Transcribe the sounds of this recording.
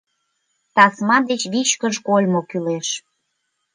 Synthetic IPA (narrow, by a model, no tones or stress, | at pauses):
t̪ɑsmɑd̪et͡ɕβit͡ɕkəʃkolʲmokyleʃ